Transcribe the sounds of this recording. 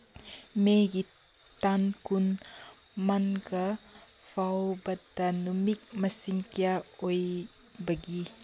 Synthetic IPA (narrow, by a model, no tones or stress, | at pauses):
meɡi | tankun | mankɐ | pʰawbɐtːɐnumik̚mɐsiŋkijaoj | bɐɡi